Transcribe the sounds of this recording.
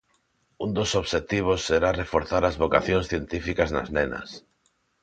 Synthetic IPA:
und̪osoβʃet̪iβ̞osːeɾarefoɾθaɾazβoka̰θjõnsθjent̪ifikazna̰znenɐ̰s

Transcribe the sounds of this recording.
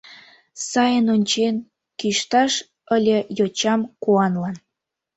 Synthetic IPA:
sɑjənonʲt͡ɕen | kiʃt̪ɑʃ | əlʲejot͡ɕɑmkuɑnlɑn

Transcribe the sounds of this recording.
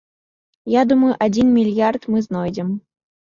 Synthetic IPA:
jad̪umɐjuʔad͡zʲinmʲilʲjart̪mɨznɔjd͡zʲɛm

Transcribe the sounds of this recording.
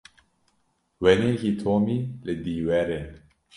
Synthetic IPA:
wɛnehit̪ʰɔmiled̪iwɛɾe

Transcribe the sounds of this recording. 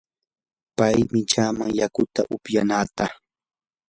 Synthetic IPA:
pajmɪt͡ʃaːmaŋjakʊt̪a̰ʔʊpjanaːt̪aχ

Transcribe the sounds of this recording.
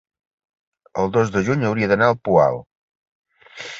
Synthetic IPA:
əlˠd̪ozd̪əʒuɲəwɾiəðənaəlˠpua̰lˠ

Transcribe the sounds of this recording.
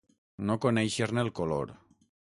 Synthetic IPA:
nokonejʃeɾnelkolo̰ɾ

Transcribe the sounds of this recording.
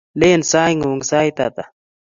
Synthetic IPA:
leːnsaːjŋuŋsaːjt̪a̰ːt̪a

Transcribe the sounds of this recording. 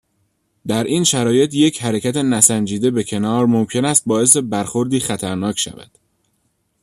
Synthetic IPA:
d̪æɾʔiːnʃæɾɒːje̞t̪ʰje̞cʰhæɾe̞cʰæt̪ʰenæsænd͡ʒiːd̪e̞be̞cʰe̞nɒːɾmomcʰe̞næst̪̚bɒːe̞s̬e̞bæɾxo̞ɾd̪iːxæt̪ʰæɾnɒːcʰʃæ̰væ̰d̪̥

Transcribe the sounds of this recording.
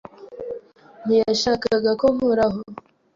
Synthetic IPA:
n̥ijaʃaːkaɡakomuɾaɦo

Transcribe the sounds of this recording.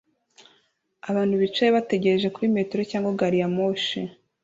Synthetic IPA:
aβaːn̥huβit͡ʃejeβate̞ɟe̞ɾeʒe̞kuɾimetoɾocaːŋɡwaɡaɾijamoːʃi

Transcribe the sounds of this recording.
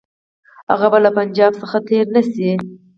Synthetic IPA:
ha̰ɣabalapand͡ʒɑbsəxat̪ʰeɾnasi

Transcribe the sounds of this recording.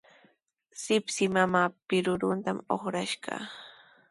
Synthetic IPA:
sɪpsɪmamaːpɪɾʊɾʊnt̪amoχɾaʃɢɑ̰

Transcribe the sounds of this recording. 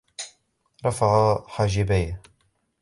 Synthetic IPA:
ɾˤɑfaʕaħaːʒɪbaj

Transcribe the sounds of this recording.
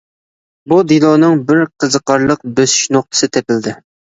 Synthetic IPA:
bud̪ilˠɑnɨŋbɪɾqʰəzəqɑɾlˠəq̚bøsy̥ʃnoχ̚t̪ʰə̥sɨt̪ʰepɪld̪ɪ

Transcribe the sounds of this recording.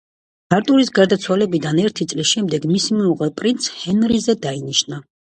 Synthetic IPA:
b̥aɾt̪ʼuɾisɡaɾd̪at̪sʰwalɛbid̪anɛɾt̪ʰit̪sʼlisʃɛmd̪ɛɡmisimɛuʁɛpʼɾint̪shɛnɾizɛd̪ainiʃna

